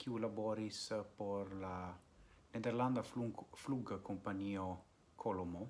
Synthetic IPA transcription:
kʰiulabɔɾispɔɾla | ned̪eɾlãnd̪əfluɡəkõmpaɲio | kʰolomo

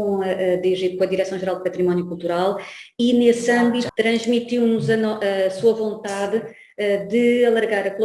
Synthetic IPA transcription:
õɐʔd̪eʒikõɐðiɾɛsɐ̃w̃ʒɨɾalˠd̪̚pɐt̪ɾimɔnjukulˠt̪uɾalˠinesɐ̃mbit̪ut̪ɾɐ̃ʒmit̪iwnuzɐnɔɐsuɐvõnt̪aðɨ | ɛd̪ɨɐlˠɐɾɣaɾɐkulˠ

